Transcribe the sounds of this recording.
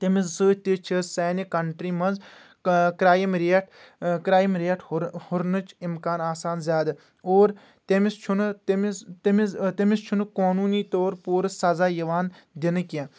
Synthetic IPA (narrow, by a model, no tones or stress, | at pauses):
t̪emissɨːt̪it͡ʃʰisɛːnikɐɳʈɾiːmɐnz | kɾaːjimɾiʈʰkɾaːjimɾeɐʈʰhʊɾnɨt͡ʃʰimkaːnaːsaːnzjaːd̪a | oːɾ | t̪emist͡ʃʰunt̪mt̪emit̪emist͡ʃʰunkoːnuːniːt̪oːɾpuːɾsɐzaːjɐʋaːn | d̪ɪnɨkã